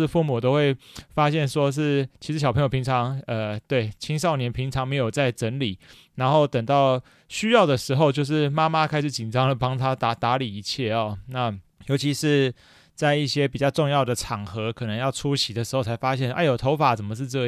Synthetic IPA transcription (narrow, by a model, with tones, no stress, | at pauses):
fu˥˩mu˨˩t̪̬o˥ʊxwe˥˩ɪfa˥ɕjɛ˥˩nʂwɔ˥ʂ̬ɻ̩˥˩t͡ɕʰi˧˥ʂɻ̩˧˥ɕɑ˨˩pʰŋjo˨˩i˧˥ŋt͡sʰɑ˧˦ŋə˨t̪we˥˩ɪt͡ɕʰi˥ŋʂ̬ɑ˥˩ʊnjɛ˧˥npʰi˧˥ŋʈ͡ʂʰɑ˧˥ŋme˧˥ɪjo˨˩ʊt͡sa˥˩ɪʈ͡ʂə˧˥nli˨˩˦ | na˧˥nxo˥˩ʊt̪ə˨˩ŋt̪ɑ˥˩ʊ | ɕy˥jɑ˥˩ʊd̪ə˩ʂɻ̩˧˥xo˥˧ʊt͡ɕjo˥˧ʊʂ̬ɻ̩˥˩ma˥ma˦˥kʰa˥ɪʂ̩˨˩t͡ɕi˨˩nʈ͡ʂɑ˥ŋlə˨pɑ˥ŋt̪ʰa˦t̪a˧˥t̪a˧˥li˨˩i˧˥t͡ɕʰjɛ˥˩ɔ˨˩na˥˩ | jo˧ʊt͡ɕʰi˧˥ʂɻ̩˥˧ | t͡sa˥˧ɪi˥˩ɕjɛ˥p̬i˨˩t͡ɕjɑ˥˧ʊʈ͡ʂo˥˧ŋjɑ˥˩ʊd̪ə˩ʈ͡ʂʰɑ˨˩ŋxɤ˧˥kʰɤ˨˩nə˧˦ŋjɑ˥˩ʊʈ͡ʂʰu˦˥ɕʰi˨˩d̪ə˩ʂɻ̩˧˥xo˥˩ʊt͡sʰa˧˥ɪfa˥ɕjɛ˥˧n˥ʔa˥˩jo˨˩t̪ʰo˧˥ʊfa˨˩t͡sə˨˩mə˩ʂ̬ɻ̩˥˧ʈ͡ʂɤ˥˩